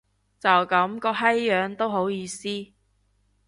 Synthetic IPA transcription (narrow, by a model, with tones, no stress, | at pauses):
t͡sɐ˨wkɐ˨˥mkɔː˧ɦɐ˥jːœː˨˧ŋt̪o˥wɦo˨˥wjiː˧siː˥